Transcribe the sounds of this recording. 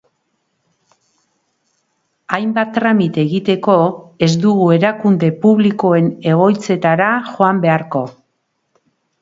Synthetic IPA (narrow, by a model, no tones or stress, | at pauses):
ajmbat̪ːɾamit̪e̞ɣit̪e̞ko̞e̞zd̪uɣ̞ue̞ɾakund̪e̞puβliko̞e̞ne̞ɣ̞o̞jt͡se̞t̪aɾaxo̞ambe̞aɾko̞